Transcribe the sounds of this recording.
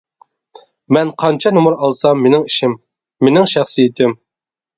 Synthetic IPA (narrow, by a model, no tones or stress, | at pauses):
mɛnqʰɑnt͡ʃʰɑnomuɾɑlˠsɑmːenɪŋiʃɪmː | enɪŋʃæχsijet̪ʰɪm